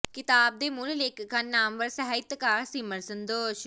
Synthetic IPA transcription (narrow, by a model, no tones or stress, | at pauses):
kɪt̪aːb̚d̪eːmʊlleːkkːannːaːmʋəɾsəɦaːit̪kaːɾsiməɾsənd̪oːʃ